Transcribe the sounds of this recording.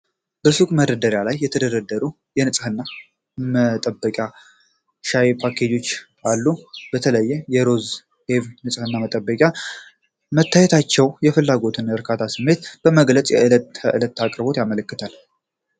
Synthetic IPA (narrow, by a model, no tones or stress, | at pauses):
b̥əsukʼməɾəd̪əɾjalajːɛt̪ʰəd̪əd̪əd̪ːəɾu | jɛnɨsʼhɨnːa | mət̪ʼəbːəkʼja | ʃajpʰakʰe̞d͡ʒo̞t͡ʃː | alːub̥ət̪ʰələjːɛjɛɾo̞z | he̞vnɨsʼhɨnːamət̪ʼəbːəkʼja | mət̪ʰːajet̪ʰat͡ʃːɛwjɛfɨlːaɡo̞t̪ʰɨnɨɾkʰat̪ʰasɨmːe̞t̪b̥əməɡlət͡sʼjɛɨləəʔɨlət̪ːakʼɾɨbo̞t̪jamələkːɨt̪ʰal